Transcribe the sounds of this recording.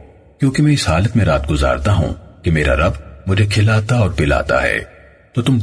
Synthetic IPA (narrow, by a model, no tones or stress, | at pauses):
kjõːkemɛ̃ɪshaːlət̪mẽɾaːt̪̚ɡʊza̰ːɾt̪aɦṵ̃kemeːɾa̰ɾɐbmʊd͡ʒʱekʰɪlaːt̪aɔːɾpɪla̰ːt̪a̰ɦɛ̰ː | t̪oːt̪ʊm